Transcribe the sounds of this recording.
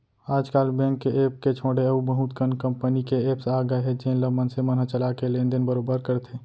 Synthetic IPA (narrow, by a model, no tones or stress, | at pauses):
aːd͡ʒkaːlbɛ̃ːŋkːeeːp̚ket͡ʃʰoːɽeəubəɦut̪kənkə̃mpənikeeːpsaːɡəɦed͡ʒẽnləmənsemənɦət͡ʃəlakelẽnd̪enbəɾobəɾkəɾt̪ʰe